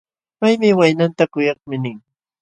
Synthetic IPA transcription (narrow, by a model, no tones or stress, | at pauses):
pajmɪwajnant̪akʊjɑχmɪnɪŋ